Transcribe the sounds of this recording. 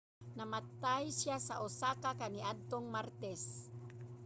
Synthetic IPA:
namat̪ajsjasaʔʊsakakaniʔad̪̚t̪oŋmaɾt̪ɛs

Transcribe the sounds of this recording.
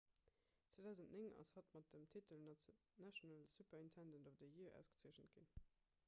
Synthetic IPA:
t͡sweːdæˑʊzəntneŋɑ̰shɑtmɑt̚dəmtʰitəl | næʃonəlsupɐintʰændəndobɐdəjiɐʔæ̰ʊsɡ̥ə̥t͡siəɕnət̚ɡ̥in

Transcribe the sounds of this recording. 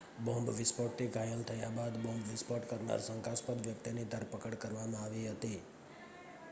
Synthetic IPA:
bɔ̃mbʋɪspɔʈːiɡʱajəlt̪ʰəjabad̪bɔ̃mbʋɪspɔʈkəɾna̰ɾsəŋkaspəd̪ʋjək̚t̪inid̪ʱəɾpəkəɽkəɾʋamãaʋiɦət̪i

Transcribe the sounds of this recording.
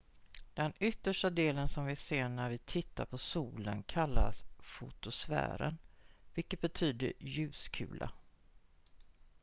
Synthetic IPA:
d̪̥ɛnʏt̪ːəʂʈad̪eːlənsɔmvɪseːɳæɾvɪt̪ʰɪt̪ːaɾpʰɔsuːlənkʰalːa̰sfʊ̰t̪ʊsvæ̰ːɾə̰nvɪlkət̪̚bɛt̪ʰyːd̪əjʉ̟ːskʰʉ̟̰ːlʔa̰

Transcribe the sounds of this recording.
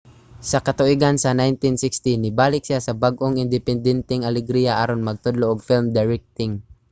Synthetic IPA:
sɐkɐt̪ʊʔiɡansɐnajnt̪insɪkst̪inɪbaːlɪk̚sɪasɐbaɡʔoŋʔɪnd̪ɛpɛnd̪ɛnt̪ɛŋʔɐlɛɡɾijaʔaːɾonmɐɡ̚t̪od̪loʔoɡ̚fɪlmd̪ɛɹɛk̚t̪ɪŋ

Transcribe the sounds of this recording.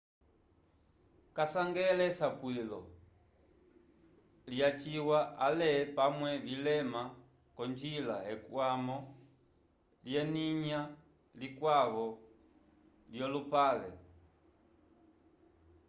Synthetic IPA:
kasaŋɡɛlɛsapwilɔ | ljat͡ʃiwaʔalɛpamwɛlilɛma | kɔnd͡ʒilaɛkwamɔ | ljɛniɲa | likwaβɔ | ljɔlupalɛ̰

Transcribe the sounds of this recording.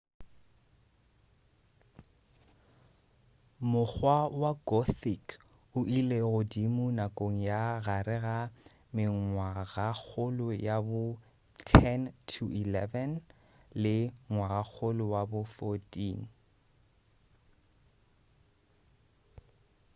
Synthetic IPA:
mʊk͡xwawaɡɔθik | ʊʔileɣʊdimʊnakʼoŋ̩jaɣaɾɪɣa | mɪŋwaɣak͡xʰʊlʊjabʊ | tʰɛntʰuilɛvɛn | lɪŋwaɣak͡xʰʊlʊwabʊfɔtʼiːn

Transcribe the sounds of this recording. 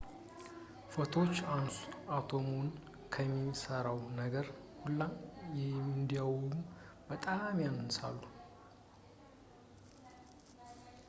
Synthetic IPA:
fət̪ʰo̞t͡ʃːansat̪ʰo̞mon | kʰəmːisəɾawnəɡəɾhulːamjɛmɨnd̪ijawmub̥ət̪ʼamjanɨnsa̰lːu

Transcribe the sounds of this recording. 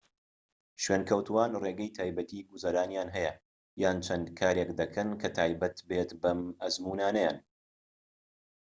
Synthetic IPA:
ʃweːnkʰɐwt̪ʰuwaːnreːɡɛjt̪ʰaːjbɐt̪ʰiːɡuzɐɾaːnjaːnɦɛjɐ | jaːnt͡ʃʰɐnd̪kʰaːɾekd̪ɐkʰɐnkʰɐt̪ʰaːjbɐt̪beːt̪bɐmɐzmuːnaːnɐja̰ːn

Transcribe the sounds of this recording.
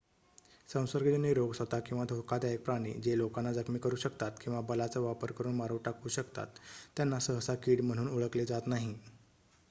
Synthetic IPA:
sə̃w̃səɾɡəd͡ʑeniɾoɡsʋət̪akĩw̃ʋad̪ʱokad̪jaek̚pɾaɽ̃ḭd͡ʑelokanːad͡zəkmiːkəɾuːɕəkt̪at̪kĩw̃ʋabəlat͡səʋapəɾkəɾuːnmaɾoʋʈakuːɕəkt̪a̰t̪ːjanːasəɦəsakiːɽm̤əɽ̃uːnuɭəkled͡zat̪naɦi

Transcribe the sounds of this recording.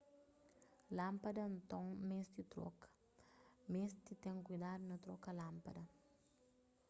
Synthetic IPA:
lãmpɐd̪ɐnt̪õŋmesd̪it̪ɾɔ̰kɐ̥ | mest̪it̪ẽŋkujd̪ad̪unɐt̪ɾɔkɐlãmpɐd̪ɐ

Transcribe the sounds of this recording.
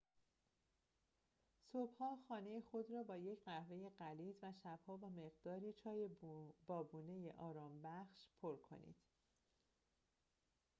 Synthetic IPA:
sob̥hɒːxɒːne̞jexo̞d̪ɾɒːbɒːje̞cʰɢæhve̞je̞ɢæliːzvæʃæb̥hɒːvæːme̞ɣd̪ɒːɾiːt͡ʃʰɒːjebɒːbuːne̞jeʔɒːɾɒːmbæxʃpʰo̞ɾkʰo̞̰nḭːd̪̥

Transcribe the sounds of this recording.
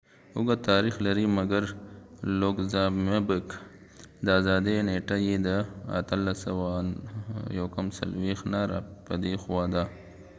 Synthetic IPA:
ʊɡat̪ɑɾixlaɾimɐɡaɾloɡzamebək | d̪əazɑd̪eneʈajed̪əa̰t̪əlːasəwa | jawkamsa̰lwexnaɾa̰pəd̪exwad̪a

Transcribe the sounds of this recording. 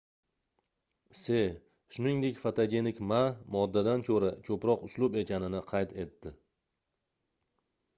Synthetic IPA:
se | ʃʊnɪŋd̪e̞kʲfat̪ʰaɡʲe̞nɪkʲmamɒd̪ːad̪ankʰɵɾakʰɵpɾɒqʊslˠʊbe̞kʲʰanɪnɪqʰɑjt̪ʰe̞t̪ːɪ

